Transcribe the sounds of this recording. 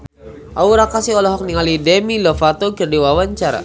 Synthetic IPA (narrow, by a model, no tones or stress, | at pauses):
ʔauɾakasiɔlɔɦɔk̚niŋalidɛmilɔfat̪okərdiwawaɲt͡ʃaɾa̰